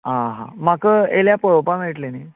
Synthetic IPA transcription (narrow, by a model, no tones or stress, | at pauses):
ɦãɦã̰makəeljapɔɭwpam̤eʈlene